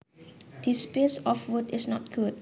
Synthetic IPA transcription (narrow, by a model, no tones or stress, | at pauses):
d̥ispesɔfwudɪsnɔt̚ɡ̥ud̚